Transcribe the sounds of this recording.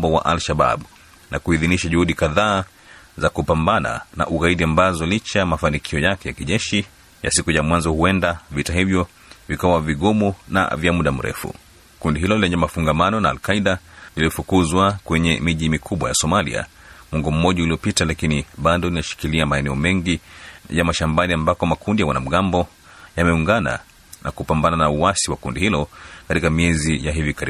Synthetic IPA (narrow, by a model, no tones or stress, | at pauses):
mbɔwa̰ʔalʃaɓa̰ɓu | nʔakuiðiniʃaʄuhuɗikaðaː | zakupambana̰na̰ʔuɣaiɗiambazɔlit͡ʃamafanikʰiɔjakɛjakiʄɛʃi | ja̰sikujamwanzɔhuɛndavitahivjɔ | vikawaviɠɔmɔna̰vjamuɗam̩ɾʔɛ̰fṵ | kundiɦilɔlilɛɲɛmafuŋɡamanɔnaːlkaiɗaliliɔfukuzwakwɛɲɛmiʄimikʰuɓwajasɔmalḭa̰ | mwɔŋɡɔm̩mɔʄauliɔpitalakiniɓadɔlinaʃi̥kiliamaɛnɛɔmɛŋɡijamaʃambaniambakɔmakʰundijawanam̩ɠambɔ | jamɛuŋɡana̰ | nʔa̰kupambananauwasiwakundihilɔkatikamiɛzijaɦivikaɾi